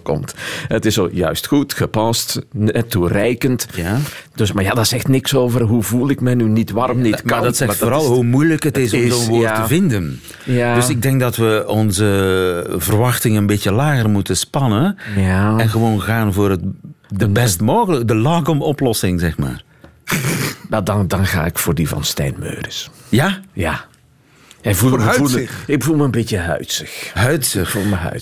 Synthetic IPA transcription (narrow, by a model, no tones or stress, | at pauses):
kɔ̰mtətɪsojœ̰ɥstxutxəpɑstɛturɛjkəntjad̥øsmajadazɛxtnɪksoːvərɦuvulˠɪkmɛjnynitʋɑrmnimadɑtsɛxfoːɾɑlˠɦumujləkətɪsɔmzoːnʋoːrtəvɪndən | jadøs̬ɪɡ̚dɛŋk̚dɑtʋəɔnzə | vərʋɑxtɪŋənbetjəlaːɣərmutəspɑnənjaɛnɣəʋoːnɣaːnvʊːrətdəbɛstmoːɣələkdəlɑːɡɔmɔplɔsɪŋzɛxma̰ːr | ʋɛlˠddɑnɣa̰ːɪkfʊːrdivɑ̰nstɛ̰jnmø̰ːrəsjaja | ɛvu | ɪɡ̚bəvulˠməənbitjəɦœ̰ɥtsəxɦœɥtsəxulˠməɦœ̰